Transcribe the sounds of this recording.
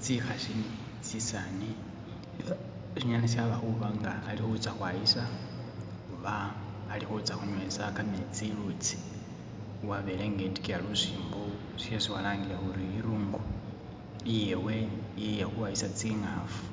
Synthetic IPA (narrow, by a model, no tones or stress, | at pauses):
t͡sixaʃini | t͡sisani | ʃiɲanasjaβahuβaŋɡaːlixut͡saxwajisa | xuβaː | lixut͡saxuɲwesakamet͡silut͡si̥ | uwaβeleŋɡeːnti̥kijalusiːmbo | siesiwalaːŋɡilahuɾiiɾuːŋɡu | ijewejejexuwajisat͡siŋafu̥